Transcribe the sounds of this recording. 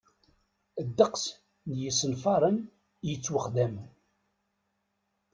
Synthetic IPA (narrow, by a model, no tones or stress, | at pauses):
əd̪ːəqs | njəsːənfɑɾˤən | jət͡sːwəχd̪æmn